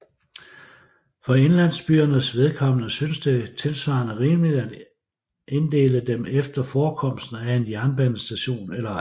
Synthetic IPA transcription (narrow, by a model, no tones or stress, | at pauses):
fɒe̝nlæn̰sb̥yːɐnəsʋe̝ð̞ˠkʰɒ̽mnəsynsd̥e̝t͡sʰe̝lsʋɑ̈nəʁiːməlid̥æd̥ | ʔe̝nd̥e̝̰ːləd̥emefd̥ɐfɒːkʰɒ̽m̰sd̥n̩æe̝njæɐnb̥ænsd̥æɕo̝̰ːnelɐ